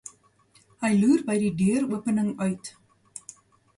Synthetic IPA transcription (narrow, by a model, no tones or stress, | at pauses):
həjlʉːrbəjdidyəɾuəpənəŋœɥt